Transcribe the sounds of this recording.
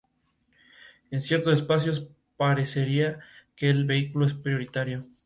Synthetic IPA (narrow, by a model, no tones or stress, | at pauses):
e̞nsje̞ɾt̪osespas̬jo̞s | paɾe̞se̞ɾiake̞ːlβe̞ikulo̞e̞spɾjo̞ɾit̪aɾjo̞